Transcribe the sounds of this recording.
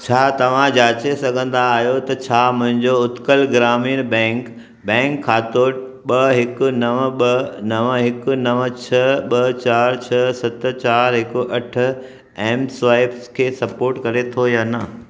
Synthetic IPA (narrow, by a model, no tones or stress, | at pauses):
t͡ɕʰaːt̪ɐʋ̤ãd͡ʑaːt͡ɕesɐɡʱə̃nd̪aːɦijot̪ɐt͡ɕʰaːmʊ̃ɦɪ̃ɲd͡ʑoʊt̪kəlɡɾaːmiːnbɛ̃ːŋk | bɛ̃ːŋkʰːaːt̪oː | ɓɐɦɪkʊ̆nɐʋɓɐnɐʋɦɪkʊ̆nɐʋt͡ɕʰɐɓɐt͡ɕaːɾt͡ɕʰɐsɐt̪ʊ̆t͡ɕaːɾɦɪkʊʔɐʈʰʊ̆ | ɛ̃ːmsʋaːɪbskʰeːsɐpoːɾʈkɐɾet̪ʰojaːnɐ